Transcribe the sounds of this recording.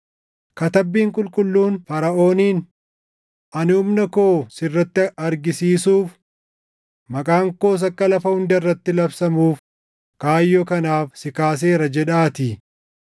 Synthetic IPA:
kɐt̪ɐbːiːŋkʼʊlkʼʊlːuːnfɐɾɐʔo̞ːniːn | ʔɐnɪʊmnɐko̞ːsɪrːɐt̪ːɪɐɾɡɪsiːsuːf | mɐkʼaːŋko̞ːs̬ɐkːɐlɐfɐhʊnd̪rːɐt̪ːɪlɐbsɐmuːf | kaːjːɔkɐnaːfsɪkaːs̬e̞ːɾɐd͡ʒɛᶑaːt̪ɪ

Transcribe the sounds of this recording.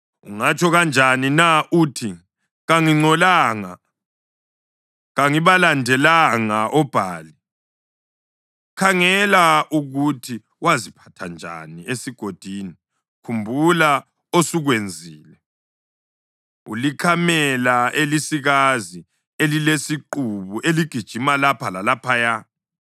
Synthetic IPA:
ṵŋat͡ʃʰʼɔɣand͡ʒʱaninaʔuːtʰi | ɣaŋiŋ͡ǀɔlaːŋa̰ | ɣaŋiβalandʱɛlaŋaʔɔb̥ʱaːli | kʰaŋɛlaʔuɣutʰi | wazipʰḁtʰand͡ʒʱa̰niesiɡ̥ʱod̥ʱiːni | kʰumbʱula | osuɣwend͡zʱiːlɛ | ṵlikʰamɛlaelisiɣazi | elilesiǃuβuʔeliɡ̥ʱid̥ʒ̥ʱimalapʰalalapʰaja

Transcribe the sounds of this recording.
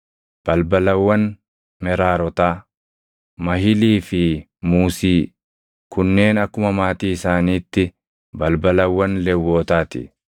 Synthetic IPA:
b̥ɐlbɐlɐwːɐn | mɛɾaːɾɔt̪aː | mɐɦɪliːfɪ | muːsiː | kʊnːe̞ːnɐkːʊmɐmaːt̪iːɪsaːniːt̪ːɪ | bɐlbɐlɐwːɐnlɛwːoːt̪aːt̪ɪ̰

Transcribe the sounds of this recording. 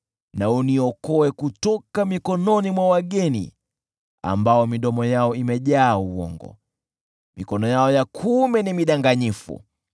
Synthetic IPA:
nauniɔkɔɛkutɔkamikɔnɔnimwawaɠɛnḭ | a̰mbaɔmiɗɔmɔjaɔimɛʄaːuwɔ̰ŋɡɔ̰ | mikɔnɔjaɔjakʰumɛnimiɗaŋɡaɲifṵ

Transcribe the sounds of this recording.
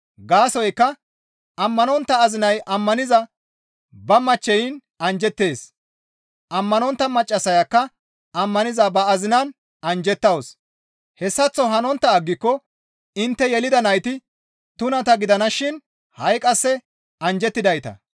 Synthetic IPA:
ɡaːsɔjkːɐ | ɐmːɐnɔnt̪ːɐːzɪnɐjʔɐmːɐnɪzɐ | bɐmɐt͡ʃːɛjɪn | ɐnd͡ʒɛt̪ːe̞ːs | ʔɐmːɐnɔnt̪ːɐmɐt͡ʃʼːɐsɐjɐkːɐ | ɐmːɐnɪzɐbɐːzɪnɐn | ɐnd͡ʒɛt̪ːɐws | hɛsːɐt͡sːɔɦɐnɔnt̪ːɐːɡːɪkːɔ | ɪnt̪ːɛjɛlɪd̪ɐnɐjt̪ɪ | t̪ʊnɐt̪ɐɡɪd̪ɐnɐʃɪn | hɐjkʼɐsːɛ | ɐnd͡ʒɛt̪ːɪd̪ɐjt̪ɐ̰

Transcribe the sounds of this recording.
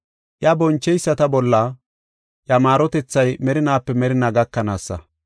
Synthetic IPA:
ʔjɐbɔnt͡ʃːɛjsːɐt̪ɐbɔlːɐ | ʔjɐmaːɾɔt̪ɛt͡sːɐjmɛɾɪnaːpːɛmɛɾɪnaɡɐkːɐnaːsːɐ̰

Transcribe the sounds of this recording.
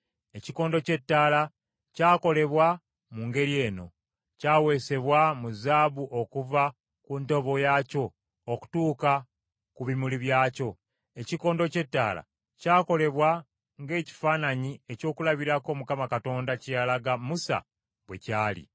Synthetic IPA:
e̞ciko̞ːndo̞ce̞tːaːla | caːko̞le̞βwa | muːŋɡe̞ɾie̞ːno̞̰ | caːwe̞ːse̞βwamuzaːβuʔo̞kuva | kunto̞βo̞jaːco̞ː | ku̥tuːka | kuβimuliβjaːco̞ | e̞ciko̞ːndo̞ce̞tːa̰ːla̰ | caːko̞le̞βwa | ŋɡe̞ːci̥faːnaɲie̞co̞ːkulaβiɾako̞mukamakato̞ːndacijalaɡamusa̰ | βwe̞̰caːlḭ

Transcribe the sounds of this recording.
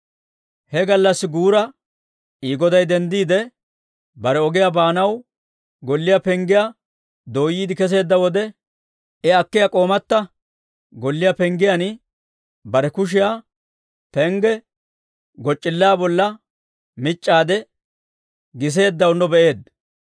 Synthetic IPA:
hɛɡɐlːɐsːɪɡuːɾɐ | iːɡɔd̪ɐjd̪ɛnd̪iːd̪ɛ | bɐɾɛɔɡɪjabaːnɐw | ɡɔlːɪjapɛŋɡɪja | d̪o̞ːjiːd̪ɪkɛs̬e̞ːd̪ːɐwɔd̪ɛ | ɛɐkːɪjakʼo̞ːmɐt̪ːɐ | ɡɔlːɪjapɛŋɡɪjan | bɐɾɛkʊʃ̬ɪjaː | pɛŋɡɛ | ɡɔt͡ʃʼːɪlːaːbɔlːɐ | mɪt͡ʃʼːaːd̪ɛ | ɡɪs̬e̞ːd̪ːɐwnɔbɛʔe̞ːd̪

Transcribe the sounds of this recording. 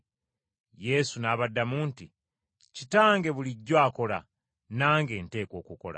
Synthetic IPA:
je̞sunaːβadːamuːnti | citaːŋɡe̞βuliɟːwaːko̞la̰ | naːŋɡe̞ːnte̞ːko̞ːkuko̞̰la̰

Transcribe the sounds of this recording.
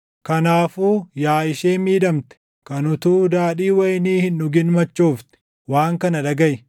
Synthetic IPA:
kɐnaːfuːjaːɪʃeːmiːᶑɐmt̪ɛ̥ | kɐnʊt̪uːd̪aːᶑiːwɐjniːhɪnːʊɡɪnmɐt͡ʃːoːft̪ɛ̥ | waːŋkɐnɐᶑɐɡɐʔɪ

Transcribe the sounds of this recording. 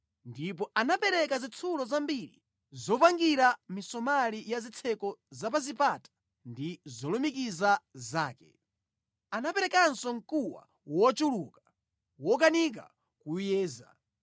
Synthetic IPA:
ndipɔʔanapɛɾɛkazit͡sʰulɔzambiɾḭ | zɔpaŋɡiɾamisɔmalijazit͡sʰɛkɔzap̬azipatḁ | ndizɔlɔmikizazaːkɛ̰ | anapɛɾɛkansɔŋkuwa̰ | wɔt͡ʃulukḁ | wɔk̬anik̬a̰ | kujɛːza̰

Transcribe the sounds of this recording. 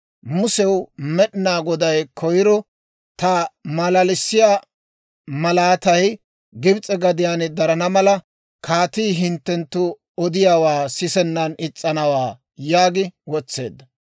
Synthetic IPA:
mʊsɛwmɛɗɪnaːɡɔd̪ɐjkʰɔjɪɾɔ | t̪ɐmɐlɐlɪsːɪjaː | mɐlaːt̪ɐj | ɡɪbt͡sʼɛɡɐd̪ɪjaːnd̪ɐɾɐnɐmɐlɐ | kʰaːt̪iːɦɪnt̪ːɛnt̪ːʊ | ɔd̪ɪjaːwaːsɪsɛnːɐnɪt͡sʼːɐnɐwaː | jaːɡɪwɔt͡sːe̞̰ːd̪ːɐ

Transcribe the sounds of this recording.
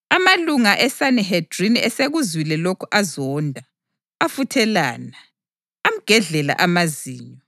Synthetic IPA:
amaluŋaʔɛsanɛɦɛd̥riniɛseɣuzwilɛlokʰuʔazɔːndʱa | afutʰɛla̰ːnaː | m̩ɡ̥ʱɛɮɛla̰ʔamaziːɲɔ

